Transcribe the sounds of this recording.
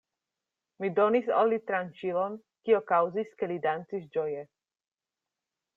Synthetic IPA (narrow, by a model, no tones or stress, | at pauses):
mid̪ɔnisɔlːit̪ɾant͡ʃilɔn | kiɔkawziskɛlid̪ant͡siʃd͡ʒɔjɛ